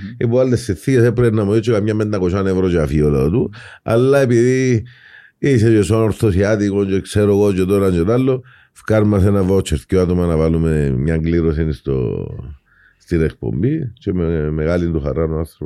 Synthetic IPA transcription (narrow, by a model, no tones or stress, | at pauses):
epualːesːiθːies̬epɾeenamoðit͡ʃːekamɲamːend̪akoʃanevɾot͡ʃafiolat̪ua̰lːaep̬iði | iset͡ʃesanoɾθosiat̪ikont͡ʃekseɾokot͡ʃet̪oɾand͡ʒet̪alːo | fkaɾmasenavaot͡ʃʰːeɾθcoat̪omanavalumemɲaŋɡliɾosinist̪o̰ | st̪iɾekpo̰mbit͡ʃemmeɣalint̪uxa̰rːanuaɾθɾ